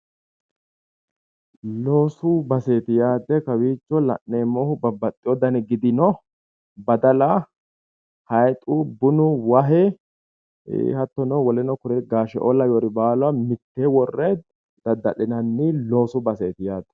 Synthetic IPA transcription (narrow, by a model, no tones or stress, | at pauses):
lo̞ːsʊbɐseːt̪ɪjaːd̪ːɛkɐwiːt͡ʃːɔlɐ̰ʔːeːmːoːhʊbɐbːɐt̪ʼːɪjɔd̪ɐnɛɡɪd̪ɪnɔ | bɐd̪ɐlɐ | hɐjt̪ʼʊbʊnʊwɐɦɛ | hɐt̪ːɔnɔwɔlɛnɔkʊɾɛɡaːʃɛ̰ʔɔlɐjoɾɪbaːlʊɐmɪt̪ːewɔrːɛ | d̪̥ɐd̪ːɐɗɪnɐnːɪlo̞ːsʊbɐseːt̪ɪjaːd̪ːɛ̥